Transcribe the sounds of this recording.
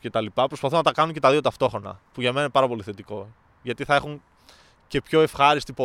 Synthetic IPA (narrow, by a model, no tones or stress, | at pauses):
ce̞t̪ɐlipɐpɾospɐθunɐt̪ɐkɐnuɲcet̪ɐðio̞t̪ɐft̪o̞xɾo̞nɐ̰puʝɐmenɐinepɐɾɐpo̞liθe̞t̪iko̞ | ʝɐt̪iθɐexuɲ | ce̞pço̞e̞fxɐɾist̪ipo